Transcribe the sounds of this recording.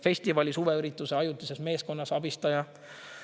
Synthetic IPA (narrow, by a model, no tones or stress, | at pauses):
fe̞sʲt̪ivɑlʲisuveyɾit̪ːˑuse̞ɑjut̪ːˑisesme̞ːsko̞nːɑsɑbist̪ɑjɑ